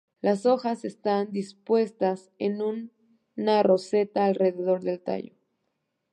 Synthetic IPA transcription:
laso̞xase̞st̪and̪ispwe̞st̪as | enun | aro̞se̞t̪aːlre̞ðe̞ðo̞ɾðe̞lt̪a̰jo̰

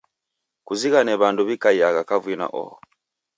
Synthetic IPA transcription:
kuziɣanɛβanduβikaiaɣakavwina̰ʔɔ̰

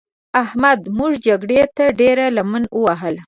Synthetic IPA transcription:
ahmad̪muʐd͡ʒaɡɽet̪aɖeɾalamənəwaɦəl

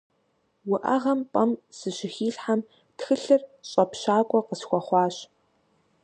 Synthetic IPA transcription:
wʊʔɐʁɐmpʼɐmsɨɕɪxiːɬħam | txɨɬɨrɕʼɐpɕaːkʷʼɔqəsxʷɔχʷɑːɕ

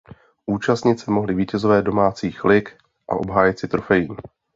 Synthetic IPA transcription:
ʔuːt͡ʃast̪ɲɪt̪sɛmo̞ɦlɪviːcɛzo̞vɛːdo̞maːt͡siːxlɪk | ʔa̰ʔo̞̰bɦaːjɪt̪sɪt̪ɾofɛjiː

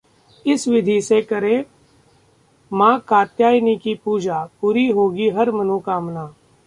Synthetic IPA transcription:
ɪsʋɪd̪ʱisekɐɾẽ | mãːkaːt̪jaːjnikipuːd͡ʒaːpuːɾiɦoːɡiɦɐɾmɐnũkaːmnaː

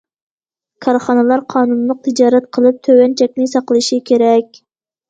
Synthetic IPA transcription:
kʰɑɾχɑnɨlˠɑɾqʰɑːnunlˠəq̚t̪ʰɪd͡ʒɑːɾɛt̪̚qʰəlˠɨp̚t̪ʰøwɛnt͡ʃʰɛk̚ʲnɪsɑqlˠɨʃikʲʰeɾɛk̚ʲ

